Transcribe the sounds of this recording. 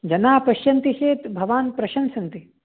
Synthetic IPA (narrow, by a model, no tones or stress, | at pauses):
d͡ʒɐnaːpɐʃjɐnt̪iʃeːt̪bʱɐʋaːnpɾɐʃɐnsɐnt̪i